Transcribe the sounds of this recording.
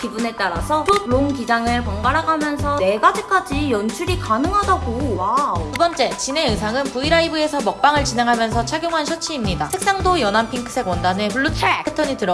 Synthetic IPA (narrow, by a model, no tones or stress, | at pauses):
kibune̞t͈aɾasʰʌtʰoɭoŋkid͡ʑaŋɯɭkʌŋɡaɾaɡamjʌnsʰʌne̞ɡad͡ʑik͈ad͡ʑijʌnt͡ɕʰuɾikanɯŋɦadaɡowatubʌnt͡ɕ͈e̞t͡ɕine̞ɯs̬ʰaŋɯnpuiɾaibɯe̞sʰʌmʌk̚p͈aŋɯɭt͡ɕine̞ŋɦamjʌnsʰʌt͡ɕʰaɡʲjoŋɦanɕʰʌt͡ɕʰiːmɲidasʰe̞k̚s͈aŋdojʌnampʰiŋkʰɯ̥sʰe̞ɡwʌndanepuɭːot͡ɕʰekʰɯtʰʌɲitɯɾʌ